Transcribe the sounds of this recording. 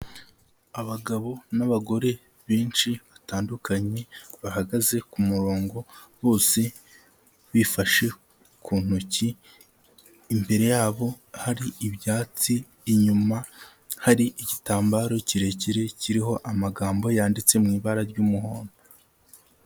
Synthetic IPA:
aβaɡaβo̞naβaɡo̞ɾe̞ | βiːnʃiβataːndukʰaɲe̞βahaɡaze̞kumuɾo̞ːŋɡo̞βo̞ːse̞ | βifaʃe̞ | kʰuːn̥uci | mbe̞ɾe̞jaːβo̞haɾiːβjaːt͡siː | ɲuma | haɾiʔiɟitaːmbaːɾo̞ciɾe̞ciɾe̞ciɾiɦo̞ʔamaɡaːmbo̞jaːndit͡se̞mŋiːβaɾaɾɟuːmuɦo̞ːndo

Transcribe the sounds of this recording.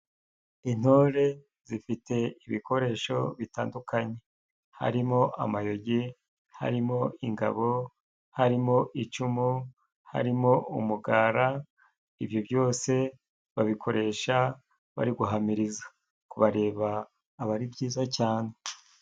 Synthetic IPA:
in̥hoɾe̞ | zifite̞iβikʰo̞ɾe̞ːʃo̞̰βitaːndukaɲe̞ | ha̰ɾimo̞ʔa̰majo̞ɟi | ha̰ɾimo̞iŋɡa̰βo̞ | haɾimo̞ʔit͡ʃumu | ha̰ɾimo̞umuɡaːɾa | ivjobjo̞ːse̞ | βaβikʰo̞ɾe̞ːʃa | βa̰ɾiɡuɦamiɾizḁ | kuβaɾe̞ːβaː | βaɾibɟiːzacaːne

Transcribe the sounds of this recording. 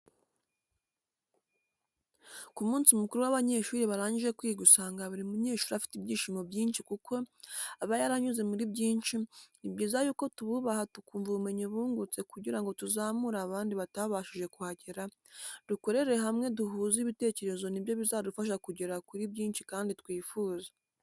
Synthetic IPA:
kumuːnsimukuɾuwaβaɲe̞ʃuːɾiβaɾaːɲɟiʒe̞kwiːɡusaːŋɡaβuɾimuɲe̞ːʃuːɾiafi̥tibɟiːʃimo̞bjiːnʃikukʰo̞aβajaɾaɲuze̞muɾibɟiːnt͡ʃinibɟiːzajuːko̞tuβuβahatukuːɱvuume̞ɲoβuːŋɡut͡se̞kuɟiɾaŋɡo̞tuzaːmuɾaːβaːndiβataβaːʃiʒe̞kuhaɟeɾa | d̥uko̞ɾe̞ɾeeɦamŋe̞duɦuːziβite̞ːce̞ɾe̞zo̞nibjo̞βizadufaʃ̬akuɟeɾakuɾibɟiːnt͡ʃikaːnditwiːfuːza

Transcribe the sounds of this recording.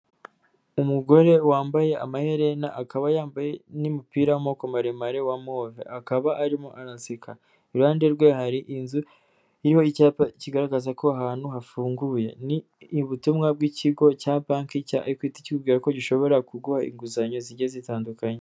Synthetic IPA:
umuɡo̞ɾe̞waːmbaje̞ʔamahe̞ɾe̞naʔakaβajaːmbaje̞nimupiːɾawamokomaɾemaɾewamovḛʔakaβaʔːɾimoʔaɾasikʰa | iɾuaːndeɾɡwe̞haɾiʔinzu | iɾiho̞icaːpaciɡaɾaɡazako̞aɦaːnhuɦafuːŋɡuje̞̰ni | βutumŋab̚ɡiciɡo̞caːpaːŋkicaa̰ikwiːti̥cikubɡiːɾako̞ɟiʃo̞βo̞ɾakuɡuhaḭŋɡuzaɲo̞ziɟezitaːndukaɲe

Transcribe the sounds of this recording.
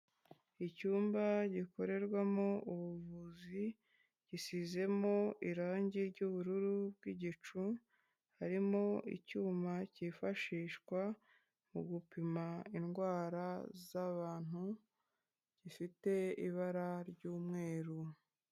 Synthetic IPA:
icuːmbaɟiko̞ɾe̞ɾɡwamo̞uβuvuzi | ɟ̥isize̞mo̞ʔiɾaːɲɟiɾɟuβuɾuɾub̚ɡiɟit͡ʃu | haɾimo̞ḭcuːmacifaʃiːʃkwa | mṵɡupimainɡwaːɾazaβaːn̥u | ɟ̥ifite̞iβaɾaɾɟuːmŋe̞ːɾu

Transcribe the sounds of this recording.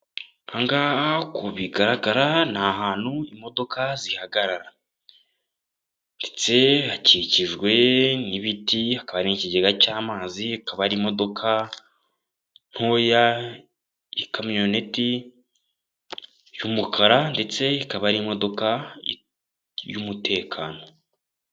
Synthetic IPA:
aŋɡakuβiɡaɾaɡaɾanaɦaːn̥huimo̞do̞kazihaɡaɾaɾa | nde̞̥t͡se̞haciciʒɡwe̞niβitiakaβaɾiniciɟeɡacaːmaːziakaβaɾimo̞do̞kʰa | n̥ho̞ːja | ikamijo̞neti | jumukʰaɾande̞t͡se̞ikaβaɾiːmo̞do̞ka | jumutʰe̞ːkʰaːno̞

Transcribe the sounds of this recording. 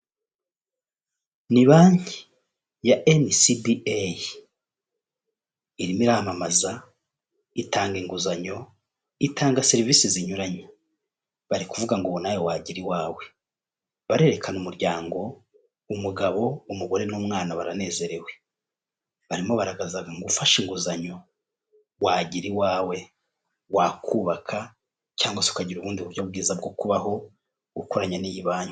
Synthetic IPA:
niβaːɲhi | jaʔensibiaj | iɾimiɾamamaza | itʰaːŋɡiŋɡuzaɲo̞ | itaːŋɡaseɾiviːsiziɲuɾaɲa | βaɾikuvuɡaŋɡoβonajo̞waɟiɾiwaːwe̞ | βaɾe̞ɾekʰanumuɾɟaːŋɡo̞ | umuɡaβo̞umuɡo̞ɾe̞nuːmŋaːnaβaɾane̞ːze̞ɾe̞we̞ | βaɾimo̞βaɾaɡazaɡaŋɡufaʃiŋɡuzaɲo̞ | waɟiɾiwaːwe̞ | wakuβakʰa | t͡ʃaːŋɡwaseukaɟiɾuβuːndiuɾjob̚ɡiːzabɡo̞kuβaɦo̞ | ɡukoɾaɲanijiβaːɲu

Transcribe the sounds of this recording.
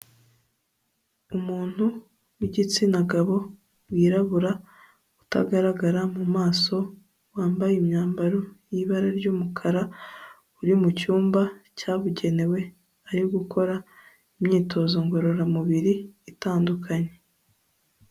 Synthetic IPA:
umuːn̥hu | wiɟit͡sinaɡaβo̞ | wiːɾaβuɾa | uta̰ɡaɾaɡaɾamumaːso̞ | waːmbajemɲaːmbaɾojiβaɾaɾɟuːmukʰaɾa | uɾimucuːmbacaːβuɟe̞ne̞we̞ | aɾiɡukʰo̞ɾa | imɲiːtʰo̞ːzoŋɡo̞ɾo̞ɾamuβiɾiːtaːndukʰaɲe̞

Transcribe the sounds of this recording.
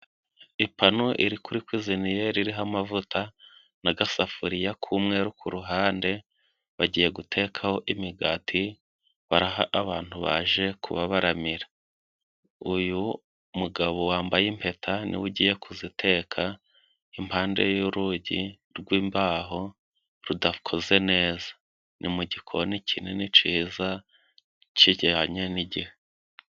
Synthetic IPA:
ipanoʔiɾikuɾikwiːzinijeɾiɾiɦamavutʰa | naɡasafuɾijakʰumŋe̞ːɾukʰuɾuɦaːnde̞ | βaɟiːje̞ɡutʰe̞ːkʰaho̞ʔimiɡaːtʰi | βaɾaɦaʔaβaːn̥huβa̰ʒe̞kʰṵβaβaɾamiɾḁ | uju | muɡaβowaːmbajimpe̞tʰanḭwuɟiːje̞kʰuzitʰe̞ːkʰa | impaːnde̞̰juɾuɟi | ɾɡwiːmbaːɦo̞ | ɾudakʰo̞ze̞ne̞ːzḁ | nʔimuɟikʰonicʰinenit͡ʃiːza | ciɟeaɲeniɟihe

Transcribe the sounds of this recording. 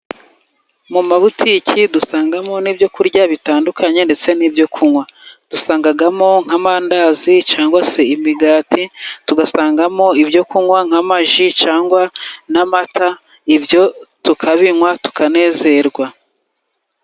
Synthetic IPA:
mumaβutʰicʰidusaːŋɡamo̞niːbjo̞kuɾɟaβitaːndukʰaɲe̞nde̞t͡se̞niːbjo̞kʰuŋwad̥usaːŋɡaɡamo̞ŋ̥hamandazit͡ʃaːŋɡwase̞imiɡaːtituɡasaːŋɡamo̞ibjo̞kuŋwaŋ̥amaʒit͡ʃaːŋɡwanamatʰa | ibjo̞tukʰaβiŋwatu̥kane̞ːze̞ɾɡwa

